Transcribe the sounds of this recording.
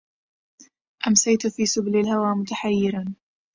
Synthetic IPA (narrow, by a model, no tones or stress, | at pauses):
ʔamsajt̪fiːsʊblalhawaːmʊt̪aħajːɪɾan